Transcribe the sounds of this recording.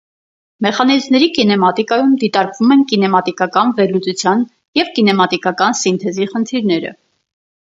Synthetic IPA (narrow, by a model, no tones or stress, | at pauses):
mɛχɑnizmnɛɾikinɛmɑt̪ikɑjumd̪it̪ɑɾkvumɛnkinɛmɑt̪ikɑkɑnvɛɾlut͡sut͡sʰjɑn | jɛvkinɛmɑt̪ikɑkɑnsint̪ʰɛziχənt̪ʰiɾnɛɾə̰